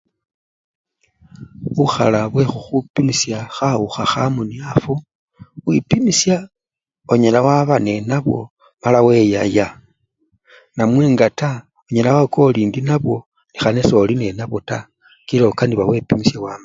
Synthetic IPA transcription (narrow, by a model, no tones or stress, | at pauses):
βuxa̰laβwe̞xuxupimisjaxauxaxamuniafu | wipimisja | oɲelawaβane̞naβwo̞̰ | malawe̞jaja | namweːŋɡata | oɲelawakʰo̞liːndinaβwo̞ | nixaneso̞line̞naβo̞ta | kilokandiβawe̞pimisjawaːma